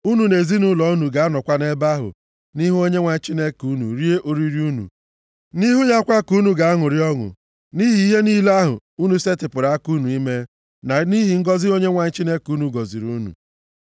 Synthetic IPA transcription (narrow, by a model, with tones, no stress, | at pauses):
u˦nu˨ne˨zi˦nu˦lɔ˨u˦nu˨ɡa˨˦a˦nɔ˨kʷa˦ne˦ba˦ɦʊ̰˨ | ni˦ɦu˦o˦ɲe˦ŋʷa˨ɲ̩˦t͡ʃi˦ne˦ku˦nṵ˨ɾi˦e˦ʔo˨ɾi˦ɾi˦u˦nṵ˨ | ni˦ɦu˦ɲa˦kʷa˦ku˦nu˨ɡa˨a˦ŋʊ˨ɾɪ˦ɔ˦ŋʊ̰˨ | ni˦ɦi˨i˦ɦe˦ni˦la˦ɦʊ̰˨ | u˦nu˨se˦tɪ˨pʊ˨ɾa˨a˦ku˦nu˨i˦me˦ | na˨ni˦ɦi˨ŋ̩˦ɡɔ˦zɪ˦o˦ɲe˦ŋʷa˨n̩˦t͡ʃi˦ne˦ku˦nu˨ɡɔ˨zi˨ɾu˦nṵ˨